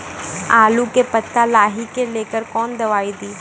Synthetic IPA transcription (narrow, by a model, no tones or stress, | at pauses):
aːlukepət̪ːalaːɦikeleːkəɾkɔːnd̪ɐʋaːid̪iː